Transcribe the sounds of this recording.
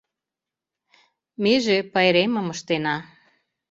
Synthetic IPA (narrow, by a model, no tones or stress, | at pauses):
meʒepɑjɾemə̆məʃt̪enɑ